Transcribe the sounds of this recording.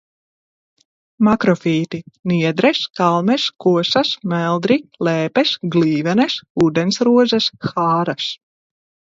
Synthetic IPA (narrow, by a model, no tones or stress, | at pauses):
makɾɔfiːt̪iniɛd̪ɾɛskalˠmɛskuɔsasmælˠd̪ɾilɛːpɛsɡliːvɛnɛsuːd̪ɛnsɾuɔzɐsxaːɾas